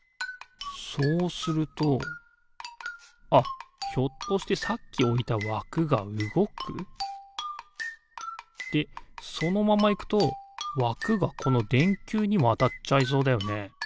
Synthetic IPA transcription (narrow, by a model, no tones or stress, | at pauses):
so̞ːsɨɾɯ̟t̪o̞ | açʲo̞t̪ːo̞ɕi̥t̪e̞sakʲːio̞it̪aβakɯ̟ɡaɯ̟ɡo̞kʰɯ̟̰ | d̪̥e̞so̞no̞mamaikɯ̟̥t̪o̞βakɯ̟ɡakʰo̞no̞d̪ẽ̞ŋkʲɨːɲ̟imat̪at͡ɕais̬o̞ːd̪ajo̞ne̞